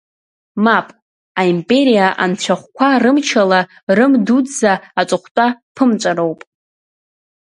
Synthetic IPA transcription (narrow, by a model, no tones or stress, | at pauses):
mapʼ | aimpʼe̞ɾijaʔa̰nt͡ɕʷʰaχʷkʷʰarɨmt͡ʃʰala | rɨmdudzaːt͡ʃʷʼʊχʷtʼapʰɨmt͡ʃʷʼaɾowpʼ